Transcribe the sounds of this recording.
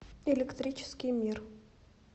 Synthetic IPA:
ɪlʲɪkt̪ɾʲit͡ɕɪ̥skʲɪjmʲir

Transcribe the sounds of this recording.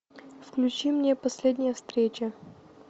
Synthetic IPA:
fklʲʉt͡ɕimnʲepɐsʲlʲedʲnʲɪjəfst̪ɾʲet͡ɕə

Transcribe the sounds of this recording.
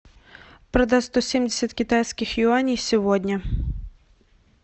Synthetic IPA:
pɾɐd̪ast̪ɔsʲemʲdʲɪsʲɐt̪ʲkʲɪt̪ajsʲkʲɪxjʊanʲijsʲiʋɔd̪ʲnʲɐ

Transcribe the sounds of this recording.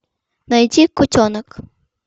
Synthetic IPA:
nɐjtʲikʊtʲɔnək

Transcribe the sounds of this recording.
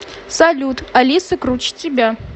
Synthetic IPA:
salʲut̪alʲisɨkrut͡ʃtʲibʲa

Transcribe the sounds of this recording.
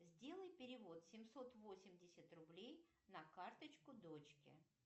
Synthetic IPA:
zʲdʲe̞lˠəjpʲɪɾʲɪvo̞t̪sʲɪmso̞t̪vo̞sʲɪmʲdʲɪsʲət̪rʊblʲej | nɐkart̪ət͡ɕkʊd̪ot͡ɕkʲɪ̰

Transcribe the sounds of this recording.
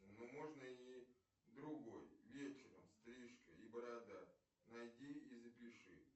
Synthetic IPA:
nomo̞ʐnəi | d̪ɾʊɡo̞jvʲet͡ɕɪɾə̰mst̪ɾʲiʂkə̰ibəɾad̪atʲ | najdʲiizəpʲɪʂɨ̰

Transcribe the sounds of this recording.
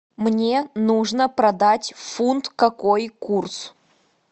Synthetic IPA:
mnʲenuʐnəpɾɐd̪atʲfunt̪kɐkojkurs

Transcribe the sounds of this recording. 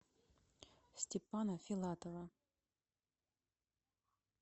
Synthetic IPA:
sʲtʲɪpanəfʲɪlˠat̪ovə

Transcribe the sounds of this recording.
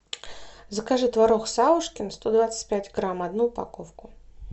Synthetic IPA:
zəkaʐɨt̪vaɾoxsavʊʂkʲɪnst̪od̪vat̪sə̥tʲpʲætʲɡɾamɐd̪nuːpa̰kofkʊ

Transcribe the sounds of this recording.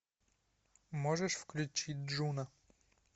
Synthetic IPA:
mɔʐɛʂfklʲut͡ɕid͡ʑʲʐuna

